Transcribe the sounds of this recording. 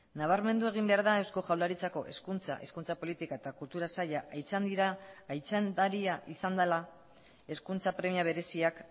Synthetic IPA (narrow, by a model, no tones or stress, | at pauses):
naβ̞aɾme̞nd̪ue̞ɣ̞imbe̞aɾðae̞wsko̞ʝawlaɾit͡sako̞ʔe̞̰skunt͡sa̰ʔe̞̰skunt͡sapo̞lit̪ikae̞t̪akult̪uɾasaʎaʔajt͡sand̪iɾaːjt͡sand̪aɾiaʔisand̪ala | e̞skunt͡sapɾe̞miaβ̞e̞ɾe̞siak